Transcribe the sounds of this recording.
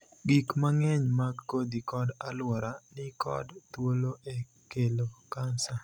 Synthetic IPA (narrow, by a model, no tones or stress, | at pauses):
ɡikmaŋɛɲmaɡːod̪ikɔdalwɔɾanɪkɔ̰dt̪woloʔe | kelokansa